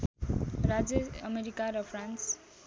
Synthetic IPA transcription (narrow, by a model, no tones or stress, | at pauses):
rad͡zeʌmeɾikaɾʌpʰrans